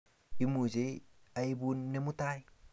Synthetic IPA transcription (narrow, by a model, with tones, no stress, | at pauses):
i˦mu˨d͡ʒe˦a˨i˦bu˦nːe˦mu˦t̪a˦j